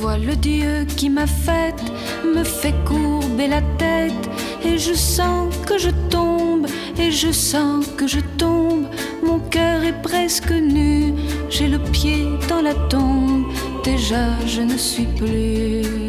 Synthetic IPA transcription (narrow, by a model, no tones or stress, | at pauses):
vwaləd̪jøkʲimafɛt̪ | məfɛkuʁbelat̪ɛt̪ | eʒəsɑ̃kəʒət̪ɔ̃b | eʒəsɑ̃kəʒət̪ɔ̃b | mɔ̃kœʁɛpχɛskənyʒɛləpjed̪ɑ̃lat̪ɔ̃b | d̪eʒaʒənəsɥiply